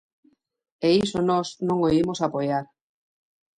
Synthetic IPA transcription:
eisonɔsnõŋoimosapojaɾ

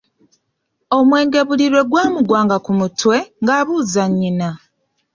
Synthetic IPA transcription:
o̞mwe̞ːŋɡe̞βuliɾwe̞ɡwaːmuɡwaːŋɡakumutwe̞ŋɡaːβuːzaɲːina

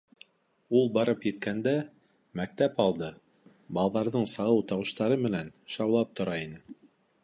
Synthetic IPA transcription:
ulˠbɑɾɤpjɘ̆t̪̚kænd̪æ | mæk̚t̪æpɑlˠd̪ɤ | bɑlˠɑðɑɾðɤɴsɑʁɤwt̪ɑwɤ̆ʃt̪ɑɾɤmɘ̆nænʃɑwlˠɑp̚t̪ŏɾɑinɘ

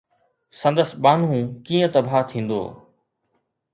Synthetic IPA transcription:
sɐ̃nd̪əsɓaːn̤ũːkĩːə̃t̪ɐbʱaːt̪ʰĩːn̆d̪o̰ː

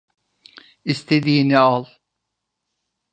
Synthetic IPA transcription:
ist̪ʰed̪iːnialˠ

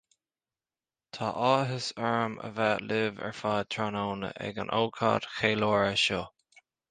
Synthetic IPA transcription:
t̪ʰɑːʔɑːɦɪsɛɹəmə̰vaːʔlɪvɛ̰ɹfaːt̪ʰɹanoːnə̰ʔɛ̰ɡənʔo̰wkʰa̰ːd̥xeːlɔːɹəʃo

